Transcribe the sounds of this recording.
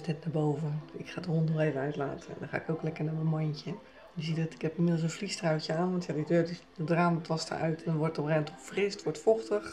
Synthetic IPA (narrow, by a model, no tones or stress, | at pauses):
snɛtnaːbowvəɪkxaːdəhɔntnɔxeːvənœɥtlaːtʰəɛ̰ndɔ̃xa̰ɪkoklɛkəɹnamənmɔjncə | njəsiədɔtɪ̥khɛpinmɪdl̩ˠsənflistrawtjəaːnʋɑntjadidøːddədraːmtʰɔstə̰ʔœ̰ɥtɛndnʋɔrtɔprɛntʰɔfrɪstʋɔɹtfɔxtəx